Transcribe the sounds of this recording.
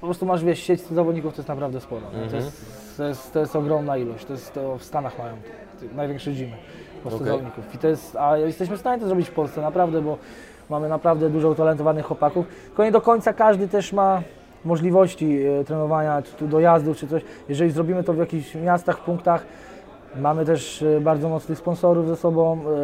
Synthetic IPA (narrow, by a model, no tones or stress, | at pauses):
pɔpɾɔst̪umaʐvʲjɛʂɕɛt͡ɕst̪ɪɣzavɔd̪ɲikuft̪ɔjɛst̪napɾavd̪ɛspɔɾɔ̰nɛt̪ɔjɛɛst̪ | t̪ːɔjɛst̪t̪ːɔjɛst̪ɔɡɾɔmnailɔɕt͡ɕt̪ɔjɛst̪ːɔfst̪anaxmajɔ̃mt̪ | t̪najvʲɛŋkʂɛd͡ʑimɘ | pɔssɛzavɔd̪̚ɲikufit̪ɔjɛst̪ajjɛst̪ɛɕ̬mɘfst̪aɲɛt̪ɔzɾɔbit͡ɕfpɔlssɛnapɾavd̪ɛbɔ | mamɘnapɾavd̪ɛd̪uʐɔut̪alɛnt̪ɔvanɘxwɔpakuftt̪ɘkɔɲɛd̪ɔkɔɲtsakaʐd̪ɘt̪ɛʂma | mɔʐlʲivɔɕt͡ɕit̪ɾɛnɔvaɲat̪ud̪ɔjazd̪uft͡ʂɘt̪ɔɕ | jɛʐɛlʲizɾɔbʲimɘt̪ɔvjakʲiɕmʲjast̪axfpuŋkt̪ax | mamɘt̪ɛʂbaɾd̪zɔmɔt̪snɘxspɔnsɔɾuvzasɔbɔ̃w